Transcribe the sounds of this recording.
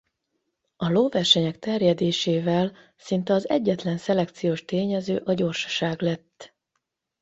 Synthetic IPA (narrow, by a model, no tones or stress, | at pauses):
ɒloːvɛrʃɛɲɛkt̪ɛrjɛd̪eːʃeːvɛl | sint̪ɛɒzɛɟːɛt̪lɛnsɛlɛkt̪sijoːʃt̪eːɲɛzø̰ːʔɒɟo̞rʃɒ̥ʃaːɡlɛt̪ː